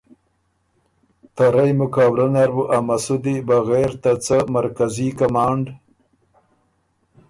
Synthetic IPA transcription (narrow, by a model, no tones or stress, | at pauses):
t̪aɾajmʊkaːwɾanaɾbuʔamasud̪ibaɣeɾt̪at͡səmaɾkazikamɑːɳɖ